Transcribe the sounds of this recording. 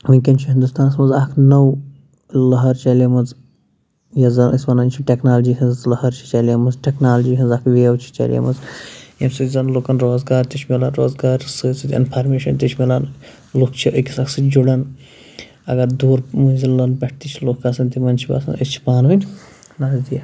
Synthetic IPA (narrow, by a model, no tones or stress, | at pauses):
ʋinʲkʲɐnt͡ʃʰiɦind̪ust̪aːnɐsmɐzakʰnɐw | lɐɦɐɾt͡ʃɐlɐmɐz | jɐzɐnḭsʲbɐnɐnʲt͡ʃʰiʈʲeknaːld͡ʒiːɦɐnzlɐhɐɾt͡ʃʰi̥t͡ʃɐlɐmɐzʈeknaːlɐd͡ʒiːɦɐnzakʰʋeːwt͡ʃʰi̥t͡ʃɐ̰lʲjɐ̰mɐzjɐmsɨzɐnlokɐnɾoːzɡaːɾt̪it͡ʃʰmilanɾoːzɡaːɾsɨːt͡sɨt̪ʲḭnpʰɐɾmeːʃɐnt̪it͡ʃʰmilan | lukt͡ʃʰiʔəkʲisaksɨd͡ʒuɽɐn | ɐ̰ɡɐd̪uːɾmuzilɐnpʲɐʈ̚ʰt̪it͡ʃʰilokːaːsɐnt̪imɐnʲt͡ʃʰiba̰ːsɐ̰nə̰st͡ʃʰi̥paːnʋɐnʲ | lad̪ijɐ